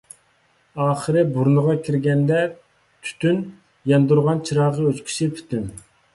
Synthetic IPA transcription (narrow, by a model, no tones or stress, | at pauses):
ɑːχəɾɨbuɾnəʁɑkʲʰiɾɡʲɛnd̪ɛ | t̪ʰy̥t̪ʰyn | jɛnd̪uɾʁɑnt͡ʃʰiɾɑːʁəøt͡ʃkʲʰi̥sɪpʰy̥t̪yn